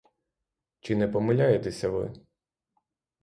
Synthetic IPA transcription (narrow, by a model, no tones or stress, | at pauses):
t͡ʃɪnɛpɔmɪlʲajet̪ɛsʲɐʋɪ̰